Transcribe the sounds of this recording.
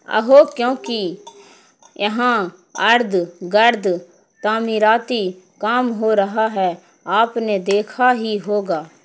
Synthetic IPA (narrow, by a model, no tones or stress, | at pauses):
ə̰ɦoːkjõːki | jɐɦã | ɐɾd̪ɡɐɾd̪ | t̪aːmiɾaːt̪i | kaːmɦoːɾɐɦaɦɛ | aːpned̪eːkʰaɦiɦoːɡaː